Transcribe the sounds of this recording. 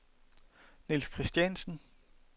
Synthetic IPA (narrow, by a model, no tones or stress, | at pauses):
nilskʰʁisd̥jænsn̩